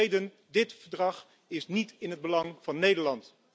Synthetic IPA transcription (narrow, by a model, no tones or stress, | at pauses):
jdən | dɪtfəɹdrɑχ | ɪsnitɪnɦəd̚bəlɑŋv̥ɑnːejdəɹlɑnt